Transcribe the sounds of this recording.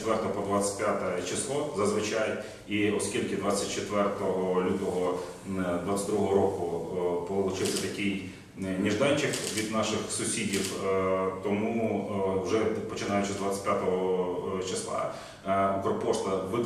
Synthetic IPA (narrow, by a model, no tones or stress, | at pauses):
t̪ʋɛrt̪ɔɐpɔd̪ʋat͡sʲɐ̥t̚ʲpʲjat̪ɛt͡ʃɪslˠɔzɐzʋɪt͡ʃɑj | iɔskʲilʲkɪd̪ʋɑt͡sʲːɐt̚ʲt͡ʃet̪ʋɛrt̪ɔɦɔlʲut̪ɔɦɔ | d̪ʋɑt̪t͡sʲɐ̥t̪ʲd̪ɾuɦɔɦɾɔkʊpɔɪlˠʊt͡ʃɪwsʲɐt̪ɐkʲij | nʲiʒd̪ɑnʲt͡ʃɪkʋʲid̪nɑʃɪxsʊsʲidʲiwt̪ɔmuwʒɛpɔt͡ʃɪnɑjʊt͡ʃɪzd̪ʋat͡sʲːɪ̥tʲpʲjat̪ɔɦɔt͡ʃɪslˠɑ̰ | kɾɔpɔʃt̪ɐʋɪ